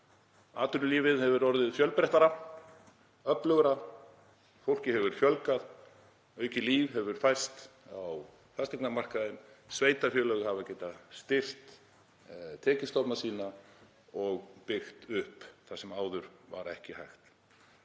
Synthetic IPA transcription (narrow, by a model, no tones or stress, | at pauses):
aːt̪ʏnʏliːvɪðhɛvʏɾɔɾðɪðfjœlpɾɛht̪aɾa | œplœɣɾa | fowl̥cɪhɛvʏɾ̥fjœlkað | œːɥcɪliːvɦɛvʏɾ̥fajst̪aw | θast̪ɛknamar̥kaðɪnsveːjt̪afjœːlœɣhavacɛjt̪aðst̪ɪr̥t̪ | t̪ʰɛːcɪst̪ɔpnasiːna | ɔɣpɪxt̪ʏhpθasɛmaːwðʏɾva̰ɾɛhcɪhajxt̪